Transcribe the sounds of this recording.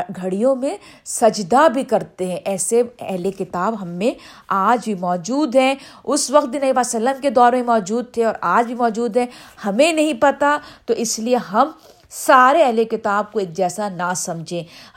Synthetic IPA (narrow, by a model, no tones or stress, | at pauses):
ɡʱɐɽijõmẽ | sɐd͡ʒd̪abʱikɐɾt̪eɦɛ̃ʔɛːseɛɦlekɪt̪aːbɦɐmːẽ | aːd͡ʒbʱimɔːd͡ʒuːd̪ɦɛ̃ | ʊsʋɐq̚t̪̚d̪ɪ̃nɐibaːsɐlːəmked̪ɔːɾmẽmɔːd͡ʒuːd̪̚t̪ʰeɔːɾaːd͡ʒbʱimɔːd͡ʒuːd̪ɦɛ̃hɐmẽnɐɦĩpɐt̪at̪oʔɪslieɦɐm | saːɾeɛɦlekɪt̪aːb̚koeːk̚d͡ʒɛːsanasɐ̃md͡ʒʱẽː